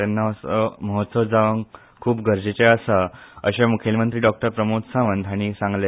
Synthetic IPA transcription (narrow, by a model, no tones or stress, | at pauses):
anːasəməɦot̪səʋd͡zaʋəŋ | kʰuːbɡəɾd͡ʑet͡ɕeəsəə̰ɕemukʰelmənt̪ɾiːɖɔk̚ʈəɾpɾəmot̪saʋənd̪ʱaɽ̃isãŋɡle